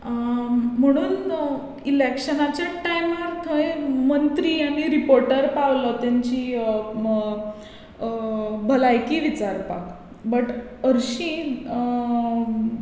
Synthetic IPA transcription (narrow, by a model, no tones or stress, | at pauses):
m̤əɽ̃uːn | ilekɕənat͡ɕjaʈajmaɾt̪ʰəjmənt̪ɾiːaɽ̃iɾipoɾʈəɾpaʋlɔt̪jaɲt͡ɕiː | bʱəlajkiːʋit͡ɕaɾpa̰k | bəʈəɾɕĩ